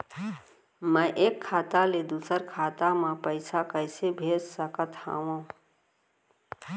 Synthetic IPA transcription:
mə̃ʔeːkʰːaːt̪aled̪uːsəɾkʰaːt̪amãpəɪsakəjɪsebʱeːssəkət̪ʰã̰ːwõː

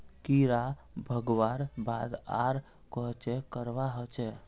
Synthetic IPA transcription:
kiɾabʱəɡʋaɾbad̪a̰ɾ | kɔɦt͡ʃɛkəɾʋaɦət͡ʃɛ

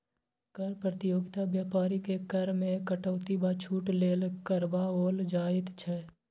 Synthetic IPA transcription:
kəɾpɾət̪ɪjoːɡɪt̪abjaːpaːɾikekəɾmẽkəʈəːt̪ibat͡ʃʰuːʈleːlkəɾbaoːld͡ʒaːɪt̪t͡ʃʰɛː

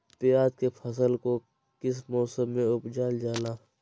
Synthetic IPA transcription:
pɪjaːd̪̚kepʰəs̬əlko | kɪs̬mɔːsəmːẽʊpd͡ʒaːld͡ʒaːlaː

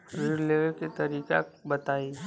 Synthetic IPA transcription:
ɾɪɾleʋəɾket̪ɐɾiːka̰bɐt̪aːi

